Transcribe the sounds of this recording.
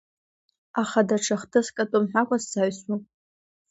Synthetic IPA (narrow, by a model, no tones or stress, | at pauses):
aχadaʈ͡ʂʰaχtʰɨskʼatʼomħʷᶣakʷʼaszaɥsʼu